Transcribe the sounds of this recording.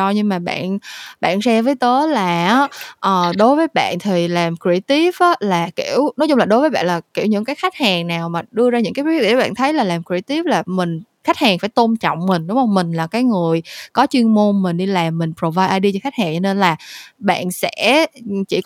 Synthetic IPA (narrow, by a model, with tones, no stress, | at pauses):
ɔ˧ɲɨ˧ŋmaː˨˩ɓa̰ː˧˨nɓa̰ː˧˨nsɛ˧vəː˨˦jt̪ə˨˦laː˨˩ʔʔəː˨˩ɗo˨˦jvəː˨˦jɓa̰ː˧˨nt̪ʰi˨˩laː˨˩mkɹi˧t̪i˦˥p̚ʔa˨˦laː˨˩ki˧˩əwnɔ˨˦jzʊ˧ŋ͡mlaː˨˩ɗo˨˦jvəː˨˦jɓa̰ː˧˨nlaː˨˩ki˧˩əwɲɨ̰˧˥ŋkaː˨˦jxa˦˥k̟̚haː˨˩ŋnaː˨˩wmaː˨˩ɗɨ˧əzaː˧ɲɨ̰˧˥ŋkaː˨˦jwḭ˧˨˦ɓa̰ː˧˨nt̪ʰə˨˦jlaː˨˩laː˨˩mkɹi˧t̪i˦˥p̚laː˨˩mï˨˩ŋ̟ | xa˦˥k̚haː˨˩ŋfaː˧˩jt̪o˧nt͡ɕɔ̰˧˨wŋ͡mmï˨˩ŋ̟ɗʊ˨˦ŋ͡mhə˧wŋ͡mmï˨˩ŋ̟laː˨˩kaː˨˦jŋɨ˨˩əjkɔ˨˦t͡ɕwi˧əŋmo˧nmï˨˩ŋ̟ɗi˧laː˨˩mːï˨˩ŋ̟pɾo˨˩vaː˧jʔaː˧jɗi˧t͡ɕɔ˧xa˦˥k̚haː˨˩ŋt͡ɕɔ˧ne˧nlaː˨˩ɓa̰ː˧˨nsɛ̰˧˥t͡ɕḭ˧˩